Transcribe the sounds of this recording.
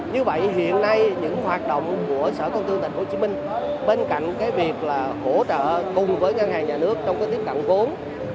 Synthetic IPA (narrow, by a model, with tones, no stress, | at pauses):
ɲɨ˧və̰˧˨jɦḭ˧˨ənːa˧jɲɨ̰˧˥ŋhwaː˨˩t̚ɗo̰˧˨wŋ͡mku˧˩əsəː˧˩kə˧wt̪ɨ˧t̪i˨˩ŋ̟ho˧˩t͡ɕi˨˦mï˧ŋ̟ɓe˧nka̰˧˨jŋ̟kaː˨˦jvi˨˩ək̚laː˨˩ho˧˩t͡ɕə̰ː˧˨kʊ˨˩ŋ͡mvəː˨˦jŋa˧nhaː˨˩ŋɲaː˨˩nɨ˦˥ək̚t͡ɕɔ˧wŋ͡mkaː˨˦jt̪i˦˥əp̚ə̰˧˨nvo˨˦n